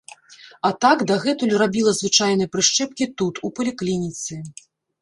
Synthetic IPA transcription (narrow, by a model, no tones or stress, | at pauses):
ɐt̪aɡd̪aɣɛt̪ulʲrabʲilˠɐzvɨt͡ʂajnɐjɐpɾɨʂt͡ʂɛp̚kʲit̪ut̪upɐlʲiklʲinʲit̪sɨ